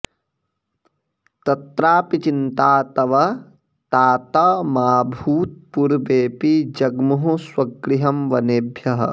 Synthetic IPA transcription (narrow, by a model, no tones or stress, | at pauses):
t̪ɐt̪ɾaːpit͡ʃint̪aːt̪ɐʋɐ | t̪aːt̪ɐmaːbʱuːt̪̚puɾbeːpid͡ʒɐɡmuɦuswɐɡɾiɦɐmʋɐneːbʱjɐɦɐ̰̆